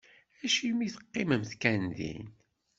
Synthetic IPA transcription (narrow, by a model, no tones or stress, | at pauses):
æʃimiθə̥qːɪməmθkænðḭn